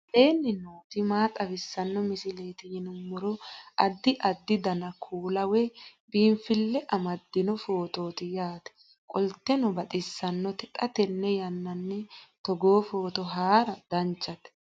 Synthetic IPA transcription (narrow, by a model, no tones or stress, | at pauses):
ʔeːnːɪnoːt̪ɪmaːt̪ʼɐfɪsːɐnːɔmɪsɪle̞ːt̪ɪjɪnʊmʊɾɔʔɐd̪ːɪʔɐd̪ːɪd̪ɐnɐkʰuːlɐwɛbiːnfɪlːɛʔɐmɐd̪ːɪnɔfo̞ːt̪o̞ːt̪ɪjaːt̪ɛ̥ | kʼɔlt̪ːɛnɔbɐt̪ʼɪsːɐnːɔt̪ɪᶑʼɐt̪ɛnːɛjɐnːɐnːɛt̪ɔɡo̞ːfo̞ːt̪ɔɦaːɾɐd̪̥ɐnt͡ʃːɐt̪ɛ̥